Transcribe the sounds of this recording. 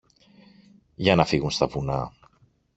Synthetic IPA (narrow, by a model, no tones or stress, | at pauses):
ʝɐnɐfiɣunst̪ɐvunɐ